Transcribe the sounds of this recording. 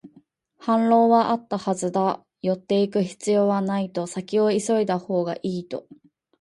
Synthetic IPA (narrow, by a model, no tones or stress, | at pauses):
hãnɾo̞ːβaʔat̪ːahazɨd̪a | jo̞t̪ːe̞ikɯ̟çi̥t͡sɨjo̞ːβanait̪o̞sakʲio̞iso̞id̪aho̞ːɡa̰ʔiːt̪o̞̰